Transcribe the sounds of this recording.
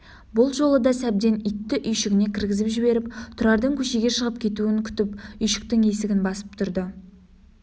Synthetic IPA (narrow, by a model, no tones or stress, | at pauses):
bʊlˠʒo̞lˠəd̪ɑsæb̚d̪e̞nʏjt̪ːɪʔʏjʃɪɡʲɪne̞kʲʰɪɾɡʲɪzɪpʒɪbe̞ɾɪp̚t̪ʰʊɾɑɾd̪əŋkʲʰɵʃe̞ɡʲe̞ʃəʁəp̚kʲʰe̞t̪uɪŋkʲʰʏ̥t̪ɪpʏjʃɪ̥k̚t̪ɪŋe̞sɪɡʲɪnbɑsə̥pt̪ʰʊɾd̪ə